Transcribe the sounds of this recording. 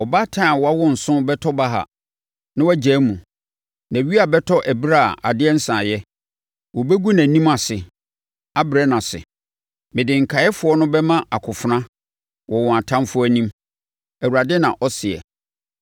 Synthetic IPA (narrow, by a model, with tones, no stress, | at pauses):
ɔ˨ba˦tʰã˦˨wɔ˨˦a˦wɔ̃˦n̩˨sʊ̃˦bɛ˦tʰɔ˦ba˦ɦa̰˨ | nã˦wæ˦d͡ʑɛː˨˦mũ˨ | nã˨ɥi˦a˨bɛ˦tʰɔ˦ʔæ˨bɾa˦˨a̰˨dɪ˦ɛ˦n̩˦sã˨jɛ˦ | wɔ˨be˦ɡu˦nã˨nĩ˦ma˨sɪ˨ | a˦bɾɛ˦nã˨sɪ̰˨ | mɪ̃˨dɪ̃˨ŋ̩˨kʰa˨˦ɛ˦fʊ˨˦ɔ˦nʊ̃˦bɛ˦mã˦a˨kʰʊ˨fʊ˨˦nã˦ | wɔ˨wɔ̃˨a˨tʰã˦mfʊ˦æ˨nĩ˦m | æ˨wu˨ɾa˨dɪ˦nã˨ʔɔ˦sɪ˨ɛ̰˨